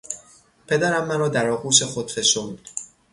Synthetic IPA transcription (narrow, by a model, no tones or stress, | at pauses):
pʰe̞d̪æɾæmːænɒːd̪æɾɒːɣuːʃe̞xod̪feʃomud̪